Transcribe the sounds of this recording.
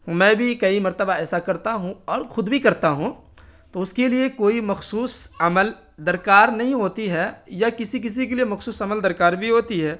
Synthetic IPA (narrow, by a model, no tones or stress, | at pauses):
mɛ̃ːbʱikɐimɐɾt̪əbaɛːsakɐɾt̪aɦũɔːɾxʊd̪bʱikɐɾt̪aɦũ | t̪oʊskeliekoːimɐxsuːsɐməl | d̪ɐɾkaːɾnɐɦĩɦoːt̪iɦɛjakɪsik̬ɪs̬ik̬eliemɐxsuːsɐməld̪ɐɾkaːɾbʱiɦoːt̪iɦɛː